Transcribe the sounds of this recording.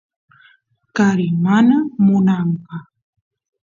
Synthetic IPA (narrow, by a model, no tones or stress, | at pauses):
kaɾɪmanamʊnampɑχ